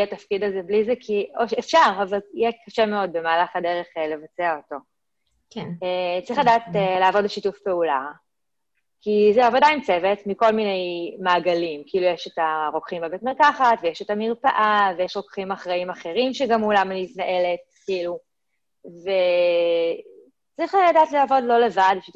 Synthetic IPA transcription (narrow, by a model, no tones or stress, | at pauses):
atafkidazeblizekʰioʃefʃaʁavaljɛkaʃemeo̞d̚be̞maːlaχadeʁeχele̞vat͡seaoto̞ | ket͡saʁiχladaːtelaːvodbeʃitufpeula | kizeavodaimt͡sevetmiko̞lminejmaːɡalimkiilujeʃetaʁo̞kχimbebetmeʁkaχatvejeʃetamiʁpaʔavejeʃʁokχimaχʁaimaχe̞ʁimʃeɡamulamaniitnaʔe̞let̚kiilu | ve | t͡sʁiχladaːtlaːvodlo̞le̞vadbeʃitu